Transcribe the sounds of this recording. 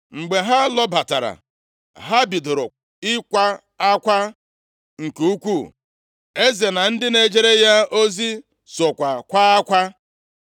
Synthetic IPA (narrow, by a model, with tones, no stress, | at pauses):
ŋ͡m̩˨ɡ͡be˨ɦa˦lɔ˦ba˨ta̰˨ɾa̰˨ | ɦa˦bi˨dɾʊ˨ | ɪ˦kʷa˦ | a˦kʷa˦ | ŋ̩˨ku˨u˦kʷu˦˨ | e˦ze˨na˨n̩˦dɪ˦ne˨d͡ʒe˦ɾe˦ja˦o˦zi˦ | sɔ˨kʷa˨kʷa˦a˦kʷa˦